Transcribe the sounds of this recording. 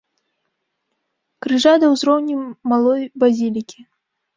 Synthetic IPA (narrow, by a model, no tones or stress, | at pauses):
kɾɨʐad̪ɐwzɾɔwnʲimalˠɔjbazʲilʲikʲi